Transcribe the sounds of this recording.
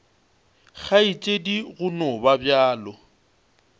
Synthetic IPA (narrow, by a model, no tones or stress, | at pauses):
ɣʰait͡ʃʼediɣʊnɔbabjaːlɔ